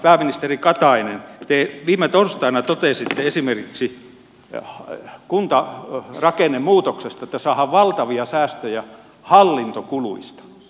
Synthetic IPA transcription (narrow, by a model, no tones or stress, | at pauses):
pæːminist̪erikɑt̪ɑinent̪eʋiːmet̪orst̪ɑinɑt̪ot̪eˑsit̪ːeesimerkiksi | kunt̪ɑrɑkenːemmuːt̪oksest̪ɑet̪ːæsɑːhɑʋʋɑlt̪ɑʋiɑsæːst̪øjæ | hɑlːint̪okuluist̪ɑ̥